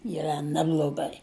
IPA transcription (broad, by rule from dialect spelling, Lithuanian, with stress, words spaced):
iːˈrɐ ˈnʲæːblˠoːˈɡɐɪ